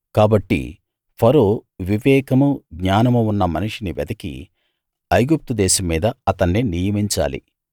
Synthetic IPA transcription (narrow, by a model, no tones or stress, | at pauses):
kaːbɐʈːḭ | pʰɐɾoːʋiʋɛːkɐmuɡɲaːnɐmuunːɐmɐniʂiniʋɛd̪ɐkḭ | ɐjɡup̚t̪ud̪ɛːʃɐmːiːd̪ɐɐt̪ɐnːinijɐmiɲt͡ʃa̰ːlḭ